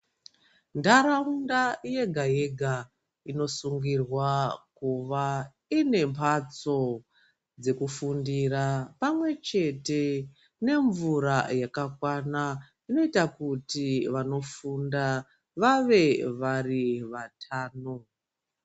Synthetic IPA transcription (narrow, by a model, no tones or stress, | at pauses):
ndaɾaundaje̞ɡʱaje̞ɡʱa | ino̞suŋɡirwakuʋa | ine̞mpʰat͡so̞ | d͡ze̞kufundirapamwe̞t͡ʃe̞te̞ | ne̞ɱvuɾajakakwana | ino̞itakutiʋano̞funda | ʋaʋe̞ʋariʋatʰaːno